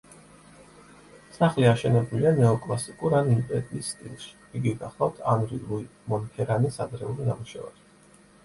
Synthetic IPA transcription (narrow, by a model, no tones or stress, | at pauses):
saχliaʃɛnɛbulianɛɔkʼlˠasikʼuɾanimpʼɛɾiːsːt̪ʼḭlˠʃi̥iɡiɡaχlˠat̪ʰanɾḭluimɔnhʰɛɾanisad̪ɾɛulinamuʃɛ̰va̰ɾ